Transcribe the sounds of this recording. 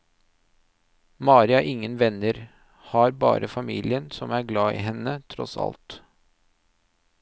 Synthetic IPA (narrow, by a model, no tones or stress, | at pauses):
mɑːɾɪɑʔɪŋːənʋɛnəɾ | hɑːɾbɑ̰ːɾəfɑmiːlɪənsɔmæːɾɡlɑːḭːɦɛnət̪ʰɾɔsɑ̰lt̪